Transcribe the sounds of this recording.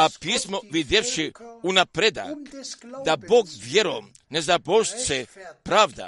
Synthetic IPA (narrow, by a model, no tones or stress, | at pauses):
apismoʋid̪jeʋʃiunapɾed̪a̰ | d̪aboɡʋjeɾom | nezaboʃt͡sepɾaːʋd̪a̰